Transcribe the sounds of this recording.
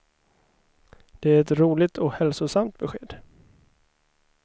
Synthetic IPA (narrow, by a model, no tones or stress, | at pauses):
d̪̥ɛæɾɛt̪ɾuːlɪt̪ʰɔhɛlsʊsamt̪̚bɛɧeːd̪